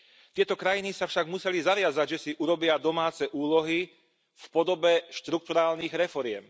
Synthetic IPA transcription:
t̪ɪɛt̪ɔkɾajinisafʃaɡmusɛlizaʋɪad͡zaɟʒɛsiʔuɾɔbɪad̪ɔmaːt͡sɛʔuːlɔɦi | fpɔd̪ɔbɛʃt̪ɾuk̚t̪uɾaːlniɣɾɛfɔɾɪɛm

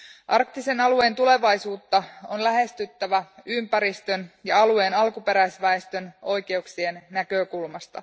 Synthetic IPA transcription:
ʔɑrkt̪ise̞nɑlue̞ːnt̪ule̞ʋɑjsuːt̪ːɑonlæɦe̞st̪yt̪ːæʋæympæɾist̪ø̞njɑɑlue̞ːnɑlkupe̞ɾæjsʋæest̪ø̞no̞jk̟e̞uksie̞nːækøkulmɑst̪ɑ̰

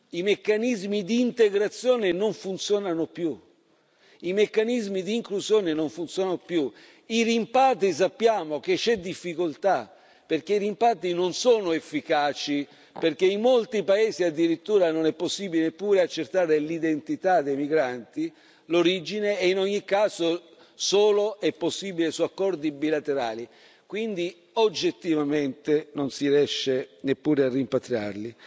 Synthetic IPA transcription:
imekːanizmid̪iːnt̪eɡɾat̪sːjɔːnenoɱfunt̪sjɔːnanopju | imekːanizmid̪iːŋkluzjɔːnenoɱfunt̪sjɔːnanopju | iɾimpat̪̬is̬apːjaːmok̟et͡ʃːɛd̪ifːikolt̪a | perkeiɾimpat̪inonsoːnoefːikaːt͡ʃi | perk̟eimmːolt̪ipaeːziad̪ːiɾit̪ːuːɾanonɛpːosːiːbilenepːuːɾeat͡ʃːert̪aːɾelid̪ent̪it̪ad̪ːejmiɡɾant̪i | loɾid͡ʒineːinɔɲːikːaːzo | soːloʔɛpːosːiːbilesuakːɔrd̪ibilat̪eɾaːli | kwind̪i | od͡ʒːet̪ːivament̪enonsiɾjɛʃːenepːuːɾearːimpat̪ɾja̰rli

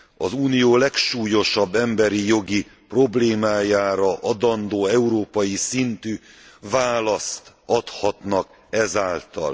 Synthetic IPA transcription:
ɒzuːnijoːlɛkʃuːjo̞ʃɒbːɛmbɛɾijo̞ɡipro̞bleːmaːjaːɾɒʔɒd̪ɒnd̪oːɛuɾoːpɒjisint̪yː | vaːlɒst̪ | ɒt̪hɒt̪nɒk | ɛzaːlt̪ɒ̰l

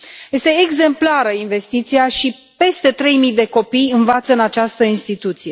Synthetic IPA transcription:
je̞st̪e̞ːɡze̞mplaɾəinve̞st̪it̪siaʃi | pe̞st̪e̞t̪ɾe̞jmijd̪e̞ko̞pijɨnvat̪səɨnat͡ʃast̪əinst̪it̪ut̪sije̞

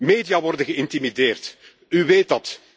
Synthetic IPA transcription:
meːdijaːʋɔrdənɣəɪntimideːrt | yʋeːtɑt

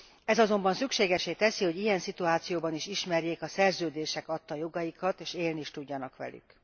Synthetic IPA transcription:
ɛzɒzo̞mbɒnsykʃeːɡɛʃeːt̪ɛsiho̞ɟijɛnsit̪uaːt̪sijoːbɒniʃiʃmɛrjeːkɒsɛrzøːd̪eːʃɛkɒt̪ːɒjo̞ɡɒjikɒt̪eːʃeːlniʃt̪uɟːɒnɒkʋɛ̰ly̰k

